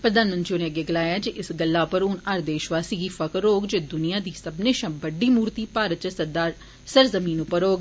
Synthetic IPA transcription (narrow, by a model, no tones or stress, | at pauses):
pɾəd̪aːnmənt̪ɾioːneːəɡeːɡɪlaːjaːd͡ʒiʔɪsɡəlːaːpəɾʊnəɾd̪eːʃʋaːsiːɡiːfʰəkːoːɡd͡ʒeːd̪ʊnijãːd̪iːsəbneːʃãːbəɖiːmuːɾt̪iːpaːɾət̪̚t͡ʃəd̪aː | səɾzəmiːnʊpːəɾoːɡ